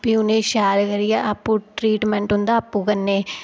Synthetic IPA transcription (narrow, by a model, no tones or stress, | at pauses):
biʊnẽːʃaːɾkəɾijaːʔapːũːʈɾiːʈmɛ̃ːɳʈɦʊ̃nd̪aːpːũːkənːeː